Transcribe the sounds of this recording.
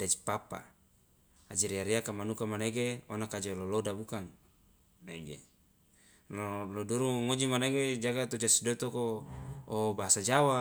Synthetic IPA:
dad͡ʒi̥papa̰ː | d͡ʒiɾiaɾiakamanukamaneɡeonakad͡ʒelolodabukaŋ | neɡḛ | lolodoɾuŋod͡ʒimaneɡed͡ʒaɡat̪od͡ʒasidot̪okoː | baɦasad͡ʒawa

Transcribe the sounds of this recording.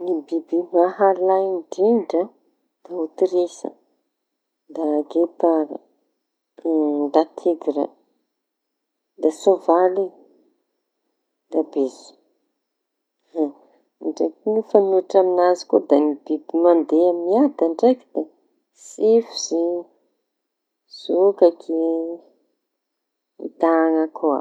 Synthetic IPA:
nibibimaɦalaiɳɖ͡ʐiɳɖ͡ʐə | d̪̥aut̪iɾesə̰ | d̪aɡet̪aɾə̰ | ɳɖ͡ʐat̪ʰiɡɾə̰ | d̪asovali | d̪abezi̥ | ɳɖ͡ʐekinifanuaʈ͡ʂaminazi̥kod̪anibibimand̪eaminiad̪əɳɖ͡ʐekid̪e | sifiz̥i | z̥ukakʰe | it̪aŋakoa̰

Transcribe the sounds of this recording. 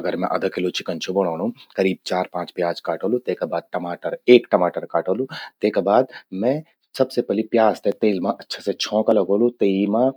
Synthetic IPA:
ɐɡəɾmɛ̰̃ʔɐ̰d̪ʱəkelot͡ʃɪkənt͡ʃʰobɐɽ̃aːɽ̃ũkɐɾiːb̚t͡ʃaːɾpãːt͡ʃpjaːzkaːʈoːlut̪eːkabaːd̪̚ʈɐmaːʈəɾeːkʈɐmaːʈəɾkaːʈoːlut̪eːkabaːd̪mɛ̃ | sɐbsepɛlipjaːzt̪ʰet̪eːlmãʔɐtːʃʰaset͡ʃʰɔ̃ːkalɐɡoːlut̪eimã

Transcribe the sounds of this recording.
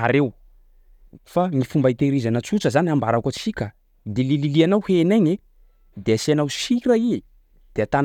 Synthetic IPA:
aɾew | faŋifumbait̪eɾizanət͡suʈ͡ʂəzaniambaɾakot͡sikʲə | d̪elililianawhenajɲe | d̪easeanawʃiɾai | d̪̥eat̪an

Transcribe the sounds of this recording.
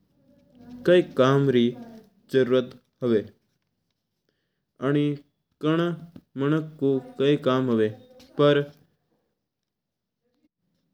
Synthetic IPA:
kəikaːmɾiː | d͡ʒəɾuːɾət̪ | ɦəʋeː | əñi | kəɳ̃mənəkːokəikaːmɦəʋeːpəɾ

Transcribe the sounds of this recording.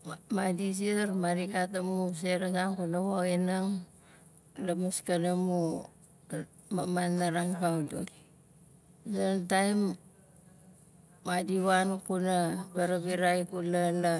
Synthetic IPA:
madis̬iɾmaɾikatamus̬eɾas̬aŋkunawaɣinaŋ | lamaskanamu | mamanːaɾaŋpawdot | sentajm | adiwankunabaɾabiɾajkunana

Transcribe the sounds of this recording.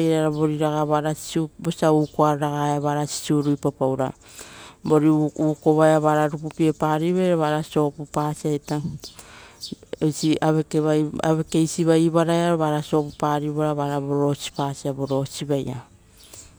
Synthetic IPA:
jɾaɾabo̞ɾiɾaɡaβaɾasi̥subosiaukoaɾɾaɡaeaβaɾasi̥suɾujpapawɾa̰ | bo̞ɾiukoβajaβaɾaɾupupiepaɾiβajɾaβaɾaso̞pupasiaeta | ejsiaβekeβaja̰βe̞ke̞jsiβajβaɾaeaɾoβaɾaso̞pupaɾiβaɾaβaɾaboɾo̞si̥pasiabo̞ɾo̞siβaja̰

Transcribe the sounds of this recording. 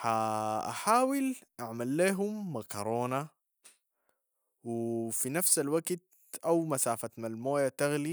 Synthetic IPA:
ħaʔa̰ħaːwilʔaʕmalːeːɦumːakɑɾˤoːna | wifinafsalwaɡt̪̚ | ʔawmasaːfat̪malmoːjat̪aɣli

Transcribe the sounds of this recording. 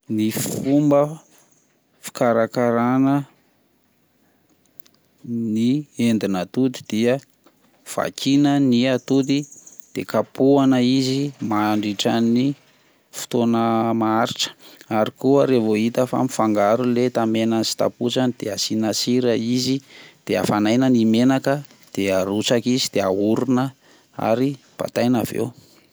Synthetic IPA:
nifumbə | fi̥kaɾakaɾanə | niend̪inat̪ud̪i̥d̪̥iə | v̥a̰kʰinəniat̪ud̪id̪̥ekapuanəizimaɳɖ͡ʐiʈ͡ʂani | fu̥t̪onəmaaɾiʈ͡ʂə̥aɾikuəɾevoit̪əfa̰mifaŋɡaɾulet̪amenansi̥t̪a̰put͡ʃanid̪̥easinasiɾəizid̪̥ea̰fanajnənimenakə | d̪̥eaɾut͡sakizid̪̥eauɾunə | a̰ɾi | b̥a̰t̪ajnavḛw

